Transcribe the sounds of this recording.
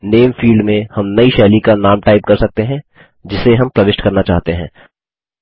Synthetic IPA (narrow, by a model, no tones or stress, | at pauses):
neːmfiːlɖmẽhɐmnɐiʃɛːlikanaːmʈaːɪp̚kɐɾsɐk̚t̪eɦɛ̃ | d͡ʒɪseɦɐmpɾɐʋɪʃʈkɐɾnat͡ʃaːɦt̪eɦɛ̰̃ː